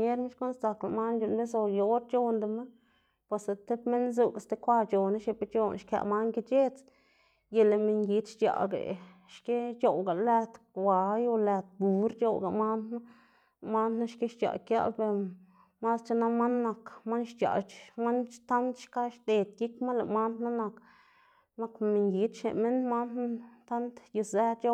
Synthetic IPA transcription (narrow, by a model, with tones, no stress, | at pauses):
ɲe˦ɾme˦ʃko˦nst̪a˧kla˨ma˦nd͡ʒu˧˨nbe˦s̬o˧˨jo˨˦ɾt͡ʃo˧nd̪e˧ma˦ | pe˧sa˨t̪e˦pme˦nzu˧˨ka˨st̪e˧kʷa˧t͡ʃo˨na˦ʃe˧pe˦t͡ʃo˦˧nʃka̰˧˨ma˦nɡi˧t͡ʃe˦t͡s | je˨˧le˨me˧ɲɡi˧˦t̪ʃt͡ʃa̰˨ɡḛ˨ | ʃke˦t͡ʃo˨wɡa˨læ˧t̪wa˨jo˧læ˧t̪̚bu˨˦ɾt͡ʃo˧wɡa˨ma˦na˦ | ma˦nna˦ʃke˦ʃt͡ʃa̰˨kja̰˦be˧ɾ | ma˦st͡ʃa˦na˦ma˦nːa˨kma˦nʃt͡ʃa̰˨ma˦nt̪a˦nt̪ʃka˦ʃt̪e˨t̪ji˦kma˦nla̰˨ma˦nd̪na˦na˧k | na˦kme˨ŋɡi˨˧t̪ʃḛ˨me˦nma˦n˦t̪a˦nt̪ji˧sæ˦t͡ʃo˧